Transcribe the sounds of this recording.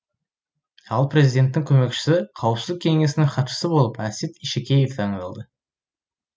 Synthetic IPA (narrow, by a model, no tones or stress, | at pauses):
ɑlˠprʲe̞zid̪ʲe̞nt̪ːɪŋkʲʰɵme̞kʃɪ̥sɪqʰɑwəpsəzək̚ʲʰeŋe̞sɪnɪŋχɑt̪ʃə̥səbo̞lˠəpæset̪iʃekʲejeft̪ʰɑɴənɑlˠd̪ə